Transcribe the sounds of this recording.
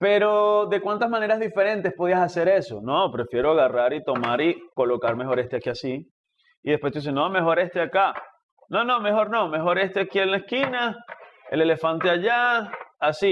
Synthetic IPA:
pe̞ɾo̞ðe̞kwant̪azmãne̞ɾazðife̞ɾe̞nt̪espo̞ð̞iasase̞ɾe̞so̞̰nopɾe̞fje̞ɾoaɣaraɾit̪o̞maɾikolo̞kaɾme̞xo̞ɾe̞st̪eakiasi | iðespwet̪is̬enome̞xo̞ɾe̞st̪eaka | no̞no̞me̞xo̞ɾno̞me̞xo̞ɾe̞st̪eakielaeskinaḛle̞le̞fant̪e̞aʝaː | si

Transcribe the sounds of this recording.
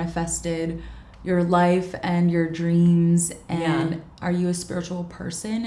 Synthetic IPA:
nɨfɛstɪd | jə˞laɪfɨ̃njə˞dɹĩmzʔɨɛ̃nʔə˞jɨɨspɪɹɨt͡ʃul̩ˠpʰɜ̰˞sɨ̃n

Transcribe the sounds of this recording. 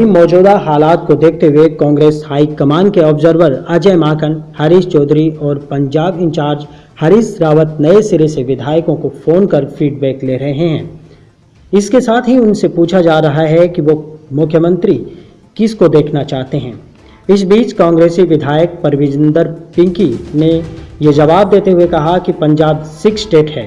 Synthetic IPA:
imɔːd͡ʒuːd̪aɦaːlaːt̪̚kod̪eːkʰt̪eɦuekãːŋɡɾeːshaːikɐmaːnkeɔːbzəɾʋəɾad͡ʒəmaːkənhaɾiːst͡ʃɔːd̪ʱɾiɔːɾpɐ̃ɲd͡ʒaːbɪ̃ɲt͡ʃaːɾd͡ʒ | haɾiːsɾaːʋət̪nɐesɪɾeseʋɪd̪ʱaːjkõkofoːnkɐɾfiːɖbɛːkleːɾɐɦeɦɛ̰̃ː | ɪskesaːt̪ʰɦiʊnsepuːt͡ʃʰad͡ʒaːɾɐɦaɦɛkiʋomʊkʰːjəmə̃nt̪ɾi | kɪskod̪eːkʰnat͡ʃaːɦt̪eɦɛ̃ː | ɪs̬biːt͡ʃkãːŋɡɾeːsiʋɪd̪ʱaːjək̚pɐɾʋɪd͡ʒə̃nd̪əɾpɪ̃ŋkinejed͡ʒɐʋaːb̚d̪eːt̪eɦuekɐɦakipɐ̃ɲd͡ʒaːbsɪksʈeːʈɦɛː

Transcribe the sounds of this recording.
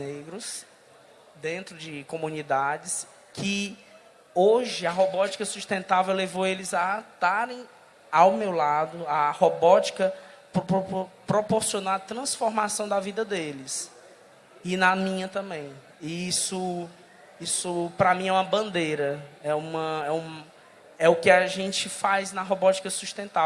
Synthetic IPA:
neɡɾʊs | d̪ẽnt̪ɾʊd͡ʒɪkõmũnid̪ad͡ʒɪs | kʰɪ | oʒɪɐɦobɔt͡ʃi̥kɐsuʃt̪ẽnt̪avewlevowelɪzat̪aɾẽj̃ | awmewlad̪ʊahobɔt͡ʃi̥kɐpɾpopɾopoɾsiõnoat̪ɾɐ̃sfoɾmasɐ̃w̃d̪ɐvid̪ɐd̪elɪs | ɪnɐmĩɲɐt̪ɐ̃mbẽj̃ | iisʊ | isʊpɾɐmĩɛũmɐbɐ̃nd̪ejɾɐɛũmɐɛũm | ɛʊkɪaʒẽt͡ʃɪfajznɐɦobɔt͡ʃi̥kɐsuʃt̪ẽnt̪av

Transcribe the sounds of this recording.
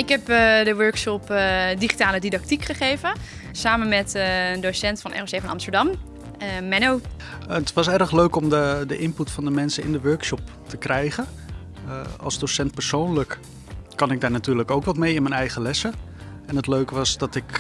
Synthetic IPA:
ɪkɦɛpdəʋøɹkʃɔpdiχi̥taːlədidɑk̚tikχəχejvə | saːmənmɛtəndosɛntfɑnʔɛ̰ːrosejfɑnɑ̰mstəɹdɑm | mɛnow | ətʋɑsɛrəχløɥkɔmdədəʔɪnputfɑndəmɛnsəɪ̰ndəʋøɹkʃɔp̚ | təkrɛjχə | ɑ̰lˠzdosɛnt̚pəɹsownlək | kɑnɪɡ̚daːɹnatyːɹləkowkʋɑtmejɪnmɛnɛjχəlɛsəɛnətløɥkʋɑsdɑtɪk

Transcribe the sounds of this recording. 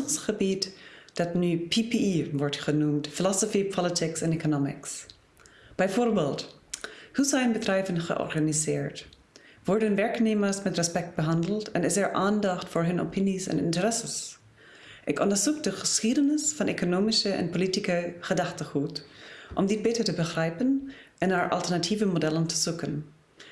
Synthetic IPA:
sχəbitd̥ɑtnyːpʰipiiʋɔɹtχənumtfilɔsofipʰɔlətʰɪksɛnekonomɪ̰ks | b̥ɛjfoːɹbeːlˠt | husɛjnbədrɛjvənχə̰ʔɔ̰ɹxanizɪːɹt | ʋɔɹdənvɛɹkneːməɹsmɛtrɛspɛk̚t̚b̥əɦɑndl̩ˠtʰɛnɪsɛɹʔaːndɑχtfʊːɹɦɵno̰pʰɪnisɛ̰nɪ̰ntəɾɛsəs | ʔɪkɔ̃ndəɹzuk̚dəχəsxidənɪsfɑnʔekonoːmɪsəʔɛ̰npolitikəχədɑχtəχutʔɔmdɪt̚b̥etətəbəχrɛjpənʔɛnaːɹʔɑ̰lˠtəɹnatʰiːvəmodɛləntʰə̥sukən

